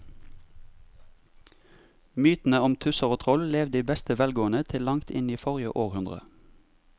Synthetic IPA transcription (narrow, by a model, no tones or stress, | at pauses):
myːt̪n̩əɔmt̪ʰʉsəʁoːt̪ʰʁɔlleːʋd̪iːbɛst̪əʋɛlɡoːənət̪ʰɪlɑŋt̪ɪniːfɔʁjə̰ʔoːʁhʉnd̪ʁə̰